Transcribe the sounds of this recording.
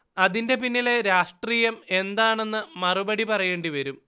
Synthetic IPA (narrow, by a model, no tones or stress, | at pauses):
ɐðinde̞pinːile̞ɾaːʂʈriːjɐme̞nd̪aːɳe̞nːɨmɐrubɐɽipɐrɐje̞ːɳɖiʋɐɾum